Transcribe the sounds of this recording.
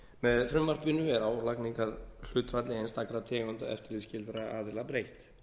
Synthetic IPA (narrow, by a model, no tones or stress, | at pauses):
mɛðθɾʏmːar̥pʏnʏvɛɾawlakniŋkaɾ̥l̥ʏːt̪fat̪lɪejnst̪akɾat̪ʰɛːɣʏnt̪a̰ɛ̰ft̪ɪɾlɪðscɪlt̪ɾaaːðɪlapɾejht̪